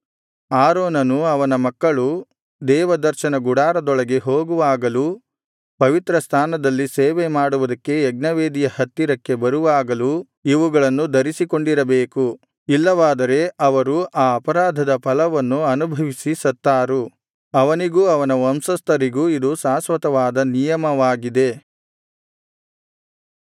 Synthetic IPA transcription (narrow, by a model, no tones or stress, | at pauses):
aːɾoːnɐnuɐʋɐnɐmɐkːɐɭu | d̪ɛːʋɐd̪ɐɾʃɐnɐɡuɽaːɾɐd̪ɔɭɐɡe̞ɦoːɡuʋaːɡɐlu | pɐʋit̪ɾɐst̪ʰaːnɐd̪ɐlːiseːʋemaːɽuʋud̪ɐkːe̞ːɡ̚nɐʋeːd̪ijɐhɐt̪ːiɾɐkːe̞bɐɾuʋaːɡɐlu | iʋuɡɐɭɐnːud̪ʱɐɾisiko̞ɳɖiɾɐbeːku | ilːɐʋaːd̪ɐɾe̞ɐʋɐɾuʔaːɐpɐɾaːd̪ʱɐd̪ɐpɐlɐʋɐnːuɐnubʱɐʋisisɐt̪ːaːɾu | ɐʋɐniɡuɐʋɐnɐɐmsɐst̪ɐɾiɡuid̪usaːsʋɐt̪ɐʋaːd̪ɐnijɐmɐʋaːɡid̪e̞